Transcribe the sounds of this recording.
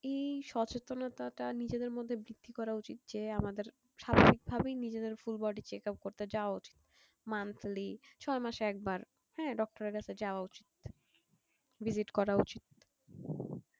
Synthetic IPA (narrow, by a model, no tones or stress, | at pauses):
ejʃɔt͡ɕet̪onat̪aʈanid͡ʑed̪eɾmod̪ʱːebɾid̪̥ʱːikɔɾaut͡ɕit̪̚d͡ʑeamad̪eɾ | ʃabʱabik̚bʱabejnid͡ʑed̪eɾfulbɔɖit͡ɕekap̚koɾt̪ed͡ʑaoaut͡ɕi̥t̪ | mant̪ʰlit͡ɕʰɔemaʃeɛk̚baɾ | hɛ̃ɖɔk̚ʈoɾeɾkat͡ɕʰed͡ʑaoaut͡ɕit̪̚ | bid͡ʑiʈkɔɾaut͡ɕit̪̚